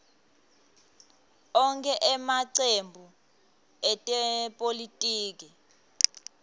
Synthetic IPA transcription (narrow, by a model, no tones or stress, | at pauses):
ɔŋkʰɛʔɛmaǀembʱu | ɛtʼɛpʼolitʼiːk̬i